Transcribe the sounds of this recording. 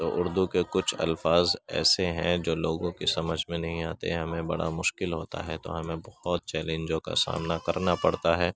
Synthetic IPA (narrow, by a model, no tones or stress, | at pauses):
t̪oːʔʊɾd̪ukekʊt͡ʃʰɐ̰lfaːzɛ̰ːseɦɛ̃d͡ʒoːloːɡõkisɐməd͡ʒʱmẽnɐɦĩaːt̪ḛɦɐmẽbɐɽa̰mʊʃkɪlɦoːt̪a̰ɦɛt̪o̰ɦɐmẽbɐhɔt̪̚t͡ʃɛːlẽːnd͡ʒõka̰sa̰ːmnakɐɾnapɐɽt̪aɦɛː